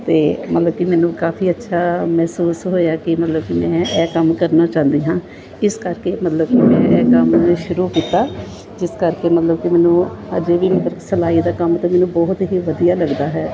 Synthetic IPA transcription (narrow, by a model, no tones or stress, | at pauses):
t̪eːmət̪ləb̚kɪmɛːnũːkaːfiːətːʃʰaːmɛːsuːsɦoːjaːkɪmət̪ləbkimɛ̃ːɛːkəmkəɾnaːt͡ʃãːnd̪iːɦãː | ɪskəɾkeːmət̪ləb̚kɪmɛ̃ːʔɛːkəmʃʊɾuːkiːt̪aː | d͡ʒɪskəɾkeːmət̪ləbkɪmɛːnũːəd͡ʒeːʋiːmət̪ləsəlaːiːd̪aːkəmt̪ãːmɛːnũːbɔːt̪ɦiːʋəd̪ijaːləɡd̪aːɦɛː